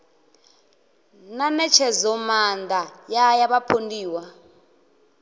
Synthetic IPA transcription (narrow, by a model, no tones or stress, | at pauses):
nanɛt͡ʃʰɛzɔmandʱajajaβapʰondiːwa